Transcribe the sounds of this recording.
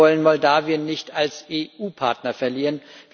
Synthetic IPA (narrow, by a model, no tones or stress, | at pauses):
ɔlənmɔldaːvjənːɪçtalsʔeːʔuːpʰaɐtnɐfɛɐliːʁənv